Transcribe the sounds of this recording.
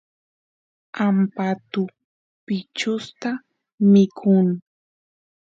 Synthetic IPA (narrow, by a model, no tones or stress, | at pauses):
ampat̪ʊ | pɪt͡ʃʊst̪a | mɪkʰʊŋ